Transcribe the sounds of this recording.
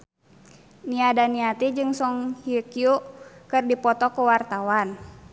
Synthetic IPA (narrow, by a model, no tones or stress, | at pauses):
niadaniat̪id͡ʒɨŋsɔŋhiukiukɨrdipɔt̪ɔkəwart̪awan